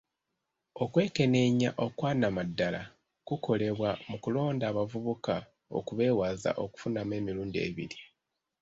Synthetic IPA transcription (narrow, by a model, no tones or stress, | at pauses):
o̞kwe̞ːke̞ne̞ɲa̰ʔo̞kwaːnamadːala̰ | kuko̞le̞βwamukulo̞ːndaːβavuβuka | o̞̰kuβe̞ːwaːza̰ʔo̞ku̥funame̞ːmiɾuːndie̞̰βḭli